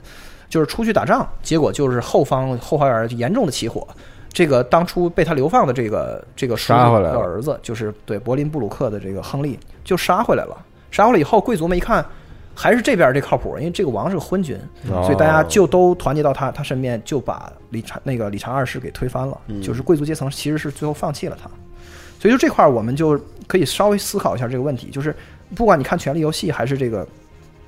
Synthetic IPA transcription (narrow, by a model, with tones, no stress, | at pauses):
t͡ɕjo˥˧ʊʂɻ̩˥˩ʈ͡ʂʰu˥t͡ɕʰy˥˩t̪a̰˨˩ʈ͡ʂɑ˥˩ŋt͡ɕjɛ˧˥kwɔ˨˩t͡ɕjo˥˧ʊʂɻ̩˥˧xo˥˩ʊfɑ˥ŋxo˥˧ʊxa˧˥ə˞˧˩˥jɛ˧˥nʈ͡ʂʊ˥˩ŋd̪ə˩t͡ɕʰi˧˥xwɔ̰˨˩˦ | ʈ͡ʂɤ˥˩ɡə˩t̪ɑ˥ŋʈ͡ʂʰu˥pe˥˩ɪt̪ʰa˥ljo˧˥fɑ˥˩ŋd̪ə˩ʈ͡ʂɤ˥˩ɡə̰˩ʈ͡ʂɤ˥˩ɡə˩ʂə˧ə̰˞˧˥d͡zɹ̩˧t͡ɕjo˥˧ʊʂɻ̩˥˩t̪we˥˩ɪpwɔ˧˥li˧˥np̬u˥˩lu˨˩kʰɤ˥˩d̪ə˩ʈ͡ʂɤ˥˩ɡə˩xɤ˥ŋli˥˩t͡ɕjo˥˧ʊʂ̩˥˩ʂa˥xwe˥˩ɪla̰˧˥ɪlə̰˧ | ʂa˥xe˥˧˩la˧˨˩xo˥˩ʊkwe˥ɪt͡su˥me˧˥˩i˧˥kʰa˥˩n | xa˧˥ɪʂɻ̩˥˧ʈ͡ʂɤ˥˩p̬ja˥˧ʈ͡ʂe˥˩kʰɑ˥˩ʊpʰṵ˨˩˥i˥we˥˧ʈ͡ʂɤ˥˩ɡə˩wɑ˧˥ŋʂɻ̩˥˩ə˩xwə˥nt͡ɕy̰˧˥nswɔ˧˥˨t̪a˥˩t͡ɕja˥t͡ɕjo˥˩ʊt̪o˥ʊt̪ʰwa˧˥nt͡ɕj̪ɑ˥˩ʊt̪ʰa˥t̪ʰa˥ʂə˥˧mjɛ˥˩nt͡ɕjo˥˩ʊpa̰˨˩ | li˨˩ʈ͡ʂʰna˥˩ɡə˩li˨˩ʈ͡ʂʰɑ˧˥ŋə˞˥˧ʂɻ̩˥˩ke˨˩ɪt̪ʰwe˥ɪfa˥nlə̰˨t͡ɕjo˥˧ʊʂɻ̩˥˩˧we˥t͡su˧˥t͡ɕjɛ˥t͡sʰɤ˧˥ŋ˥t͡ɕʰi˧˥ʂɻ̩˧˥ʂɻ̩˥˧t͡swe˥˧ɪxo˥˧fɑ˥˧ŋt͡ɕʰi˥˩lə̰˩t̪ʰa̰˥ | swɔ˧˥˨ʈ͡ʂkʰwa˥˩wɔ˨˩mə˦nt͡ɕjo˥˩ʊkʰɤ˧˥i˨˩ʂɑ˥ʊwe˧˥ɪsɹ̩˥kʰʊi˧˥ɕja˧ʈ͡ʂɤ˥˩ɡə˧wə˥˩nt̪ʰḭ˧˥t͡ɕjo˥˧ʊʂɻ̩˥˧ | pu˥˩kwa˥ni˨˩kʰa˥˩nt͡ɕʰɥɛ˧˥nli˥˧jo˧˥ʊɕi˥˩xa˧˥ɪʂɻ̩˥˧ʈ͡ʂɤ˥˩ɡə̰˩